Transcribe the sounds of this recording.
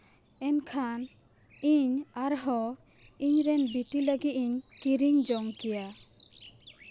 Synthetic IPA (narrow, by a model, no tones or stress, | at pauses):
ɛnkʰan | iɲaɾɦɔ | iɲɾɛnbiʈiləɡit̪̚iɲkiɾiŋd͡ʒɔŋkɛja